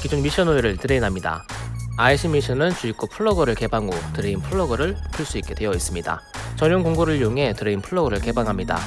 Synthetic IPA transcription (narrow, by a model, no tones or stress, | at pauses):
kid͡ʑunmiɕ͈ʰʌnojoɾɯɭtɯɾeinɦamɲida̰aiɕʰimiɕʰʌnɯnt͡ɕuik͈opʰɯɭːʌɡʌɾɯɭke̞baŋotɯɾeinpʰɯɭːʌɡʌɾɯɭpɯɭs͈uik͈e̞dwe̞jʌis͈ɯmɲida̰ | t͡ɕʌɲjoŋkoŋɡoɾɯɭjoŋɦe̞tɯɾeinpʰɯɭːʌɡʌɾɯɭke̞baŋɦamɲida̰